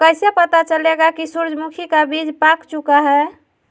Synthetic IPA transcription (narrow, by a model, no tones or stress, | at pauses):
kəjsepət̪at͡ʃəleɡakisuɾd͡ʒʱmukʰikabid͡ʒpakt͡ʃukaɦɛ